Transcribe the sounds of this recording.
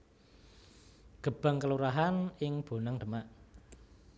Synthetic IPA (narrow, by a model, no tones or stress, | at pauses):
ɡ̥əb̥a̤ŋkəluɾaɦanɪŋb̥o̤naŋɖ̥̪ə̤maʔ